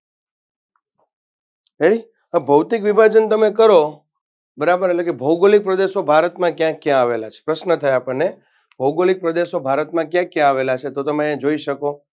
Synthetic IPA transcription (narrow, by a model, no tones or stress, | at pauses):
ɦeɽi | abʱəwt̪ikʋibʱad͡ʒənt̪əmekəɾo | bəɾabəɾetlekebʱəwɡolik̚pɾəd̪eʃobʱaɾət̪mãkjãkːjãaʋelat͡ʃʰe̥pɾəʃnət̪ʰəjapəɽne | bʱəwɡolik̚pɾəd̪eʃobʱaɾət̪mãkjãkjãaʋelat͡ʃʰet̪ot̪əmãẽd͡ʒoiʃəko